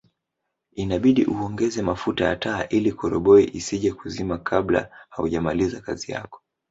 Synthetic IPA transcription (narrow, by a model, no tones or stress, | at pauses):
inaɓiɗiʔuɔŋɡɛzɛmafutaja̰taːʔilikɔɾɔɓɔiʔisiʄɛkuzimakʰaɓla̰ha̰ṵʄamalizakazija̰kɔ̥